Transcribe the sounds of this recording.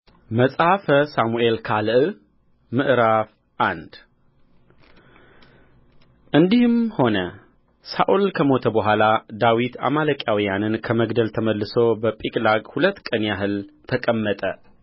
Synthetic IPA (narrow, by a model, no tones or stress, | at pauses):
məsʼafəsamuʔe̞lkʰalɨʔ | mɨʔɾaf | ʔand̪ | ʔɨnd̪ihɨmho̞nə | saʔulkʰəmo̞t̪ʰəbəɦʷalad̪awit̪ʰa̰maləkʼjawijanɨnkʰəməɡd̪əlt̪ʰəməlːɨso̞bəpʼikʼlaɡʼhulət̪ːkʼənjaɦɨlt̪ʰəkʼəmːət̪ʼə